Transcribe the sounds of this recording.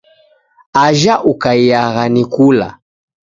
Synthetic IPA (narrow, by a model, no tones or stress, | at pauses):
aʒaʔukaijaɣanikula̰